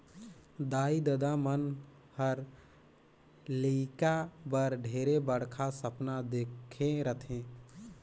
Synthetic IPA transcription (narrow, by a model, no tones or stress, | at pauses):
d̪aid̪əd̪amən | həɾ | likabəɾɖʱeɾebəɽkʰasəpnad̪ekʰẽɾət̪ʰẽ